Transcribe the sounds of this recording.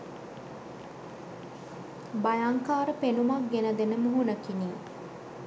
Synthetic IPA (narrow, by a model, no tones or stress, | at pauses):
bajaŋkaːɾəpenumak̚ɡenəd̪enəməɦunəkiniː